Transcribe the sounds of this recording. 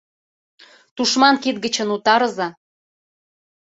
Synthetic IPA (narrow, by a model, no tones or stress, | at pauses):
t̪uʃmɑnkit̪̚ɡə̆t͡ɕə̆nut̪ɑɾɤ̆zɑ